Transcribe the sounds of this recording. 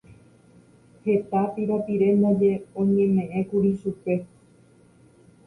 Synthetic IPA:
he̞t̪apiɾopiɾe̞mõd͡ʒe̞õɲẽ̞mẽ̞ʔẽ̞kuɾiʃupe̞

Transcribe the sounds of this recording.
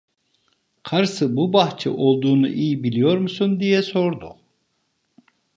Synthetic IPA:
qʰɑɾsɯbubɑχt͡ʃʰɯ̰ʔo̞lˠd̪uːnṵʔijibilʲijo̞ɾmusund̪ijɛso̞ɾd̪ṵq

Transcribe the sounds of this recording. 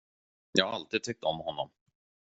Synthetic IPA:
jɑ̰ːhaalt̪iːd̪̚t̪ʰɛk̚t̪ɔmhɔnːɔm

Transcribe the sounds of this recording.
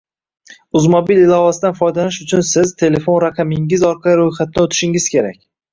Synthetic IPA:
ʊzmobilɪlˠɒvasɪd̪anfɒjd̪aɪʃʊt͡ʃʰʊnsɪzt̪ʰe̞le̞fo̞nɾaqʰɑmɪŋɪzɒɾqʰɑliɾojχat̪̚nɪot̪ʰɪ̥ʃɪŋɪz̥kʲe̞ɾa̰kʲ

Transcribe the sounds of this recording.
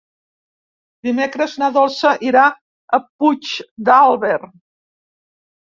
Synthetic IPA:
d̪imekɾəznaðɔlˠsəʔiɾa | əp̚ut͡ʃd̪alˠβer

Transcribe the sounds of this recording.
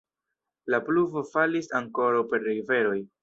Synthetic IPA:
lapluvo̞falisaŋko̞ɾawpe̞ɾːeve̞ɾo̞j

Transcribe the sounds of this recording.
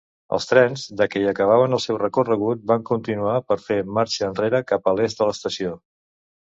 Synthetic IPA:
ə̰lˠst̪ɾɛnzd̪əkɛiəkəβ̞aβ̞ənəlˠsɛwrəkurəɣ̞ut̪̚baŋkunt̪inuapəɾfemaɾt͡ʃəːnreɾəkapəlezd̪ələst̪əsio

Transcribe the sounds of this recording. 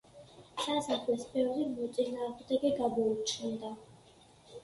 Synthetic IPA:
sasaχlɛsbɛvɾimɔt̪sʼinaːʁmd̪ɛɡɛɡamɔut͡ʃʰind̪a

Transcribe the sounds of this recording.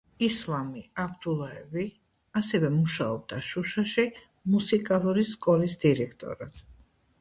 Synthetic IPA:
islˠamiabd̪ulˠaɛvi | asɛvɛmuʃaɔb̚d̪aʃuʃaʃi | musikʼalˠuɾiskʼɔlisd̪iɾɛkʰt̪ʼɔ̰ɾad̪̥

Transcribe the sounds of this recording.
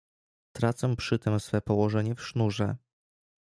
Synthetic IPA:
t̪ɾat̪sɛmpʂɘt̪ɛmsfɛpɔwɔʐɛɲɛfʂnuʐɛ

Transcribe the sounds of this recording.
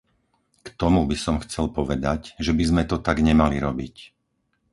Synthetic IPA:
kt̪ɔmubisɔmxt͡sɛlpɔʋɛd̪acʒɛbizmɛt̪ɔt̪aɡɲɛmaliɾɔbic

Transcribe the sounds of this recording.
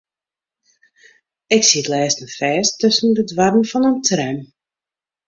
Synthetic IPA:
ɪksitlɛːstən̩fɛːstʰːøsəndədwarənfɔnəntʰrɛm

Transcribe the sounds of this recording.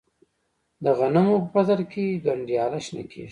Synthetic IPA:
d̪əɣanamopəpazaɾkʰeɡaɳɖijɑlaʃna̰kʰḛ

